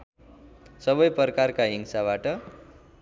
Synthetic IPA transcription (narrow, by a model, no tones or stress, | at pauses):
sʌβʌjpʌrkarkaɦiŋsaβaʈʌ